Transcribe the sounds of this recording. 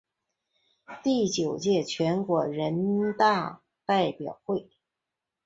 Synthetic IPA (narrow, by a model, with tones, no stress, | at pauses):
t̪i˥˩t͡ɕjo˨˩ʊt͡ɕjɛ˥˩t͡ɕʰɥɛ˧˥nkwɔ˧˩ɻə˧˥nt̪a˥˧ | t̪a˥˩ɪpjɑ˨˩ʊxwe˥˩ɪ